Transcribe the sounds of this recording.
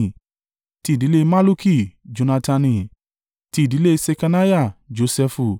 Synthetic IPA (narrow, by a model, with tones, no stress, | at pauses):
ti˧˦i˨di˨˦le˦ma˦lu˦ki˦d͡ʒo˨˧na˧ta˧nĩ˧˨ | ti˦i˨di˨˦le˦se˧ka˧na˦ja˦˨d͡ʒo˧sɛ˧fu˧˨